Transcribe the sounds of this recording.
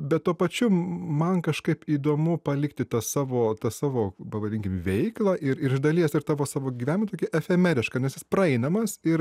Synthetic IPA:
bʲɛt̪̚t̪uɔpɐt͡ʃʲʊmɐnkɐʃkɐɪpiːd̪oːmʊpɐlʲɪkt̪ʲɪt̪ɐsɑːʋoːt̪ɐsɑːʋoːpɐʋɐdʲɪŋʲkʲɪmʋʲɛɪklˠɐʔɪɾɪɾɪʒd̪ɐlʲiɛsɪɾt̪ɑːʋoːsɑːʋoːɡʲiːʋʲæːnʲmt̪oːkʲɛʔɛfʲɛmʲɛɾʲɪʃkɐnʲɛsjɪspɾɐɛɪnɐmɐsɪɾ

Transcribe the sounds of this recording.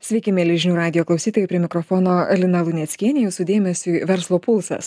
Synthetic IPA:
sʲʋʲɛɪkʲɪmʲɛlʲɪʒʲnʲuːɾɑːd̪ʲɪjoːklˠɐʊsʲiːt̪oːjʊːpʲɾʲieɛmʲɪkɾɔfɔːnoːɛlʲɪnɐlˠʊnʲɛt̪sʲkʲiɛnʲɛjɛsʊd̪ʲeːmʲɛsʲuːʋʲɛɾslˠoːpʊlˠsɐ̰s

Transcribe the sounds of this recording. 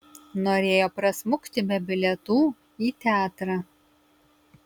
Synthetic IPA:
noːɾʲeːjoːpɾɐsmʊkt̪ʲɪbʲɛbʲɪlʲɛt̪uː | iːt̪ʲæːt̪ɾɑː

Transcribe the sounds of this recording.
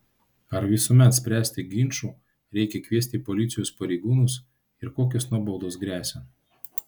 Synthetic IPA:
ɐɾʋʲɪsumʲɛt̪sʲpʲɾʲæːsʲt̪ʲɪɡʲɪnʲt͡ʃuː | ɾʲɛɪkʲɛkʋʲiɛt̪ʲiːpɔlʲɪt̪sʲɪjoːspɐɾʲɛɪɡuːnʊs | ɪɾkoːkʲʊsnuɔbɔʊd̪oːsɡɾʲæːsʲɛ

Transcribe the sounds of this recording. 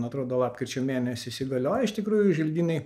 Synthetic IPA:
nɐt̪ɾoːd̪oːlˠɑːp̚ʲkɾʲɪt͡ʃʲomʲeːnʲɛsʲɪɪsʲɪɡɐlʲoːjɛɪʃt̪ʲɪkɾuːjʊʒʲɪlʲd̪ʲiːnʲɛɪ

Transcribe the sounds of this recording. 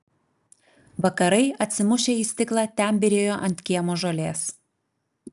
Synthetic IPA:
ʋɐkɐɾɐɪɐt̪ʲsʲɪmʊʃʲeːiːsʲt̪ʲɪklˠɑːt̪ʲɛˑnʲbʲɪɾʲeːjoːʔɐnʲt̪ʲkʲiɛmoːʒolʲeːs

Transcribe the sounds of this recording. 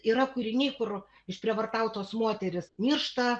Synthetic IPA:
iːɾɐkʊɾʲɪnʲɛɪkʊr | ɪʃpʲɾʲiɛʋɐrt̪ɑʊt̪oːsmoːt̪ʲɛɾʲɪsmʲiːrʃt̪ɐ

